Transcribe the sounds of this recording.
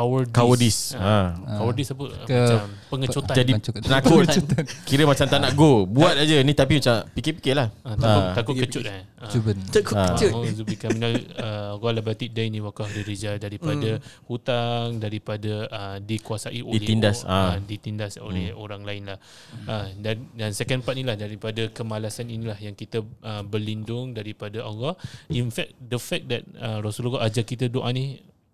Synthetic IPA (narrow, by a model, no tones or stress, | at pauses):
kawərdkawədisakawərdisap̬əmaam | pəŋət͡ʃot̪ad͡ʒadipənakʊkiɾəmat͡ʃamt̪amnaʔɡobuat̪̚ad͡ʒənĩt̪apimat͡ʃapikɛpi̥kɛlahət̪akʊt̪akʊt̪kət͡ʃʊt̪a | əubət̪akʊkəzubikaminaəɣalabat̪iʔdainĩwakahdiɾed͡ʒadaɾipadahut̪aŋdaɾipadəʔədikuasaʔiʔoilɛindasadit̪indaso̰lɛoɾaŋlaɪnlah | ədandansɛkanpat̪̚nilahdaɾipadəkəmalasaninĩlahjaŋkit̪əəbərlindʊŋdaɾipadaaɣɔʔinfɛk̚dəfɛk̚dɛt̪̚ərasulɣɔʔad͡ʒakkit̪ədoʔani